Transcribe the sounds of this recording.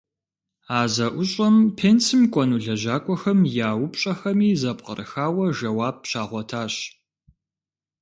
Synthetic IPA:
aːzɐʔʷʊɕʼɐmpʰent͡sɨmkʷʼɔnuɮɐʒaːkʷʼɔxɐmjaːwʊpɕʼɐxɐmiːzɐpqə̰rɨ̰xaːwɐʒɐwaːb̚ɕaːʁʷɔtʰaːɕ

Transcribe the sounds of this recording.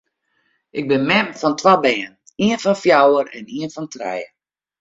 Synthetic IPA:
ʔɪk̚bɪnmɛmfɔntʰwabɛːən | iənfɔnfjawəɾɛ̰niənfɔntrɛ̰jə

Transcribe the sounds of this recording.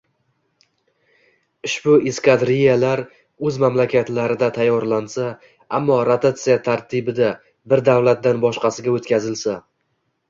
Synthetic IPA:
ɪʃbʊiskʲad̪ɾijalaɾ | ɵzmamlakʲʰat̪laɾɪd̪at̪ʰajːɒɾlansa | amːɒɾat̪ʰat̪sɨjat̪ʰaɾt̪ʰɪbɪd̪a | bɪɾd̪awlat̪̚d̪anbɒʃqɑsɪɡʲaot̪kʲʰazɪlsa

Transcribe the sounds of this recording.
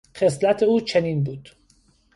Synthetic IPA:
χe̞slæt̪ʰeuːt͡ʃʰeniːnbuːd̪̥

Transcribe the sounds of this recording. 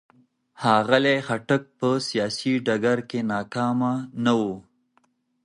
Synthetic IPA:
hɑɣalexaʈək̚pəsijɑːsiɖaɡaɾkenɑːkɑmanawu

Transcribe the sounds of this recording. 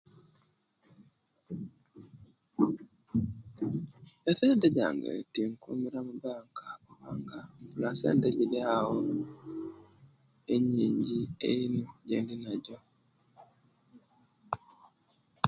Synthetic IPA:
eθeːndeɟa̰ːŋɡḛtiŋkṵmiɾamubaːŋkakuβaːŋɡampulasḛːndeɟiljawo | eɲiːɲɟieinuɟḛːndinaɟo

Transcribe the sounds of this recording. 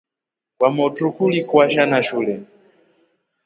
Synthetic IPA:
kwamɔtukulikwaʃanaʃuːlɛ

